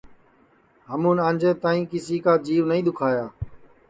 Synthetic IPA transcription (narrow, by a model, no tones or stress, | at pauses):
ɦəmũːnãːɲd͡ʒeːt̪aːĩːkɪsiːkaːd͡ʒiːʋnəĩːd̪ʊkʰaːjaː